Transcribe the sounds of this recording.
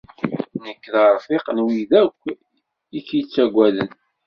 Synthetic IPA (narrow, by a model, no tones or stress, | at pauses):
nəkːðəɾˤfɪqnwiðækʷː | ikːjt͡sːæɡʷæðən